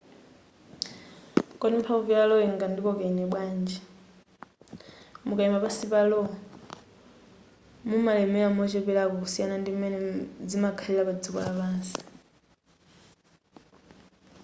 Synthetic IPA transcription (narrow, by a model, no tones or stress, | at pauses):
kʼɔdimpʰavialɔiŋɡandikɔkɛnɛɓwaːnd͡ʒɛ | mukʼaimbapasipalɔ | mumalɛmɛamɔt͡ʃɛpɛlakɔusianandimɛnɛd͡zimakʰalɛlapad͡zikɔ̰laβaːsi̥